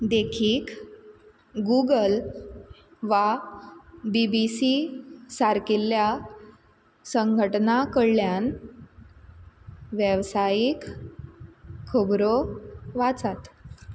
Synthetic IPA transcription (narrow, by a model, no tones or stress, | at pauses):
d̪ekʰiːk | ɡuɡəl | ʋa | bibisisaɾkilːja | səŋɡʱəʈnakəɽljan | ʋjəʋsajik | əbɾoʋat͡sat̪